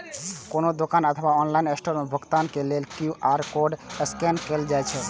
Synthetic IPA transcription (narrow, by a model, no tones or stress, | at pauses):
konod̪okanət̪ʰəbaɔnlainesʈoɾmebʱəɡt̪ankelelkuʔaɾkoɖəskenkeld͡ʒajt͡ʃʰɛ